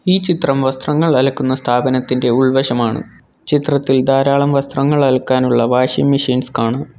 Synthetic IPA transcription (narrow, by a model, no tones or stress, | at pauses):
iːt͡ɕit̪rɐmʋɐst̪rɐŋːɐɭɐlɐkːunːɐst̪ʰaːbɐnɐt̪ːinde̞uɭʋɐɕɐmaːɳɨ̰ | t͡ɕit̪rɐt̪ːild̪aːɾaːɭɐmʋɐst̪rɐŋːɐɭɐlɐkːaːnuɭːɐʋaːʂimːiʂiːnskaːɳɨ